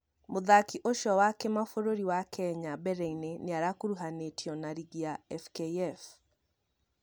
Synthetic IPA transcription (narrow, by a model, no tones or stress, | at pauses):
moðakiʔoʃɔwakɛmafoɾoɾiwakʰɛɲabɛɾɛineneaɾakoɾuɦanetjɔnaɾiɣiaɛfkeɛf